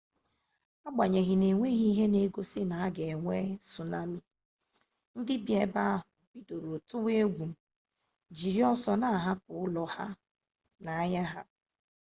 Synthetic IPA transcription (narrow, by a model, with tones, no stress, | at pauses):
a˦ɡ͡ba˨ɲe˨ɣɪ˨ne˨ŋʷe˦ɣi˦ɦe˦ne˦ɡo˦sɪ˦na˨a˦ɡe˨ŋʷe˦su˨na˦mi˦ | n̩˦dɪ˦bje˨˦ba˦a˦ɦʊ˨bi˦do˨ɾo˨tʊ˦we˦ɡʷu˨ | d͡ʒi˨ɾi˦ɔ˦sɔ˦na˦a˨ɦa˦pʊ˨ʊ˦lɔ˨ha̰˦ | na˨a˦ɲa˦ɦa˦